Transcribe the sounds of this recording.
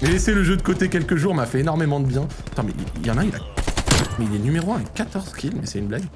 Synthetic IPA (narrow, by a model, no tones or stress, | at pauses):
mɛleseləʒød̪əkot̪ekʲɛlkəʒuʁmafɛenɔʁmemɑ̃d̪əbjɛ̃at̪ɑ̃mɛ̰ʔḭljɑ̃nãila̰ | mɛilɛnymeʁoɛ̃ɛkat̪ɔʁz̥kʰʲilmɛsɛynblaɡ